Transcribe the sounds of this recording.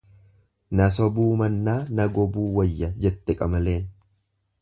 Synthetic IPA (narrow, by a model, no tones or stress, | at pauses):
nɐs̬ɔbuːmɐnːaːnɐɡɔbuːwɐjːɐd͡ʒɛt̪ːɛkʼɐmɐle̞ːn